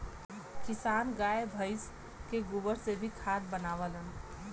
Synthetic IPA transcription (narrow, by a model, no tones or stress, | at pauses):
kisanɡaebʱəɪs | keɡubəɾsebʱikʰat̪̚bənaʋələn